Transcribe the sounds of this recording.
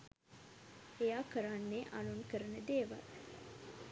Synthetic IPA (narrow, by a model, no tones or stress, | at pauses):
ejaːkəɾanːeʔa̰lunkəɾənəd̪eːʋa̰l